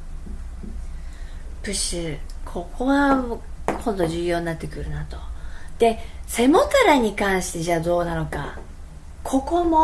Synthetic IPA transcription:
pɯ̟ɕɨkʰo̞kʰo̞ɡa | kʰõ̞nd̪o̞ʑɨːjo̞ːɲinat̪ːe̞kɯ̟ɾɯ̟nat̪o̞̥d̪̥e̞se̞mo̞t̪aɾaɲ̟ikãɰ̃ɕi̥t̪e̞ʑaːd̪o̞ːnano̞ka̰ | kʰo̞ko̞mo

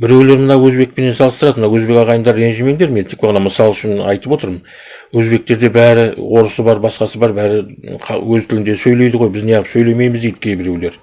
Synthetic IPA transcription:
bɪɾe̞wle̞ɾmənɑwɵzbe̞k̚pene̞nsɑlˠəst̪əɾɑd̪əmənɑwɵzbe̞kɑʁɑjənd̪ɑɾe̞nʒɪme̞ŋd̪eɾment̪ʰek̚pʁɑnɑməsɑlˠʏʃɪnɑ̰jt̪əpwo̞t̪əɾmən | wɵzbe̞k̚t̪e̞ɾd̪e̞bæɾɪwo̞ɾəsəbɑɾbɑsqɑsəbɑɾbæɾɪqʰɑ̰wɵzt̪ʰʏlɪnd̪e̞sɵjle̞jd̪əʁo̞jbɪznejɑʁəpsɵjle̞me̞jmɪzd̪ejd̪̥ɪkʲʰejbɪɾewle̞ɾ

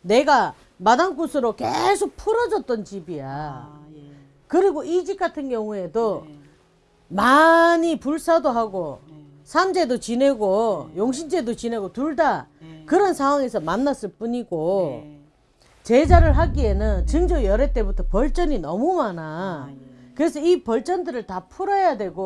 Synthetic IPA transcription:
ne̞ɡa | madank͈osʰɯɾoke̞̰sʰok̚pʰuɾʌd͡ʑʌt̚t͈ʌnt͡ɕibija | kɯɾiɡoʔid͡ʑik͈atʰɯnɡjʌŋue̞do | maɲipuɭs͈adoɦaɡo | sʰand͡ʑe̞dot͡ɕine̞ɡojoŋɕʰind͡ʑe̞dot͡ɕine̞ɡotuɭdakɯɾʌnsʰaŋɦwaŋe̞sʰʌmanːas͈ɯɭp͈uɲiɡo | t͡ɕe̞d͡ʑaɾɯɭɦaɡie̞nɯnt͡ɕɯŋd͡ʑʌjʌɾet͈e̞butʰʌpʌɭt͡ɕ͈ʌninʌmumana | kɯɾe̞sʰʌipʌɭt͡ɕ͈ʌndɯɾɯɭtapʰuɾʌjadwe̞ɡo

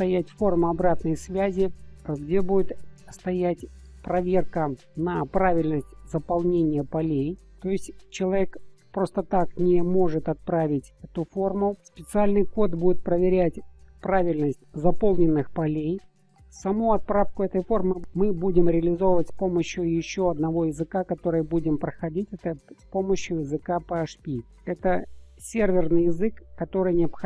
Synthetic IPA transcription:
st̪ɐjætʲfo̞rmʊɐbɾat̪nəjsvʲæzʲɪɡdʲe̞budʲɪt̪st̪ɐjætʲ | pɾɐvʲe̞rkə | nɐpɾavʲɪlʲnəsʲtʲzəpɐlˠnʲenʲɪjəpɐlʲej | t̪o̞ɪsʲtʲt͡ɕɪlˠɐvʲekpɾo̞st̪ət̪aknʲɪmo̞ʐɨt̪ɐt̪̚pɾavʲɪtʲɛt̪ʊfo̞rmʊspʲɪt̪sɨalʲnɨjko̞t̪budʲɪt̪̚pɾəvʲɪɾʲætʲpɾavʲɪlʲnəsʲtʲzɐpo̞lˠnʲɪnːɨxpɐlʲej | sɐmuɐt̪̚pɾafkʊɛt̪əjfo̞rmɨmɨbudʲɪmɾʲɪəlʲɪzo̞vəvətʲsʲpo̞məɕjʊjɪɕːo̞ɐd̪nɐvo̞jɪzɨkakɐt̪o̞ɾɨjəbudʲɪmpɾəxɐdʲitʲɛt̪əpo̞məɕjʊjɪzɨkapəɐʂpʲi | ɛt̪əsʲervʲɪrnɨjɪzɨkːɐt̪o̞ɾɨjnʲɪɐpx

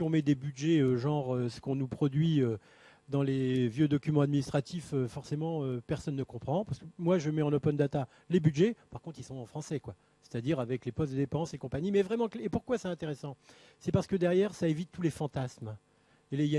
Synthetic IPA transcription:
iɔ̃mɛd̪ebyd̪ʒɛøʒɑ̃ʁøsə̥kɔ̃nupχɔd̪ɥiø | d̪ɑ̃levjød̪ɔkʲymɑ̃ad̪minist̪χat̪iføfɔʁsemɑ̃øpɛʁsɔnːəkɔ̃pχɑ̃paʁsəkəmwaʒəmɛɑ̃nopɔnd̪at̪a | lebyd̪ʒɛpaʁkɔ̃t̪χilsɔ̃ɑ̃fχɑ̃sɛkwa | se̥t̪ad̪iʁavɛklepɔst̪d̪əd̪epɑ̃sekɔ̃paɲimɛvʁɛmɑ̃klepuʁkwasɛɛ̃t̪eʁesɑ̃ | sɛpaʁsə̥kəd̪ɛʁjɛʁsaevit̪ːulefɑ̃t̪asm | ele

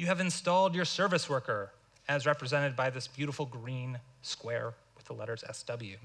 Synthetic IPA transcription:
jɨːvɨ̃nstɔlˠdjə˞sɜ˞vɨswɜ˞kə˞ | ɨzɹɛpɹɨzɛ̃ɾ̃ɨd̚baɪðɪsb̥jʉɾəfl̩ˠɡɹĩn | skwɛɹwɨðəlɛ̰ɾə˞zɛ̰sd̥ʌbl̩ˠjʉ

